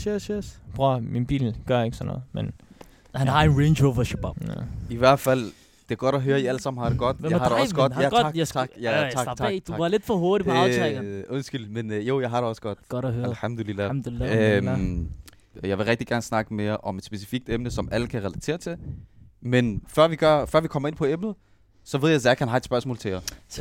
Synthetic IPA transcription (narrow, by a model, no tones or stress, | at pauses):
sesesb̥ʁominb̥ḭːlɡ̥ɶɐe̝ɡ̥sɒnːɔ̽ːð̩ˠmen | hænɦɑ̈enʁenɕoːʋɐɕeb̥æ̰iʋæɐd̥fæl̰ | d̥e̝æɐɡ̥ɒ̽ɾ̥ɒɦøːɐiælsɑ̈m̰n̩hɑ̈d̥e̝ɡ̥ɒ̽d̥jɑhɑɾeɒsəɡ̥ɒd̥jæ̥t͡sʰɑɡ̥jæɑɡt͡sʰd̥uɑɑ̈le̝d̥fɒɦoɐd̥ip | ɔ̽nsɡ̥yl̰̥menjo̝̰jɑ̈ɪɦɑ̈ɾe̝ɒ̽sə̥ɡ̥ɒ̽d̥ɡ̥ɾɦølħɑmd̥olilːæø | jɑ̈ɪʋe̝ʁɛɡ̥̚d̥iɡ̥æɐnəsnɑ̈ɡ̥əme̝ːɐʔɒ̽me̝d̥sb̥e̝si̥fiɡ̥̚d̥emnəsɒ̽mæləkʰæʁɛlæt͡sʰe̝̰ːɐt͡sʰe̝lmenfɶɐʋiɡ̥ɶɐ̰fɶɐʋikʰɒ̽mɐe̝n̰pʰɒ̽emnð̩ˠ | sɒ̽ʋeðˠjɑɪsæɐikhænɦɑ̈ed̥sb̥ɶɐsmɔ̰ːlt͡sʰe̝ɐ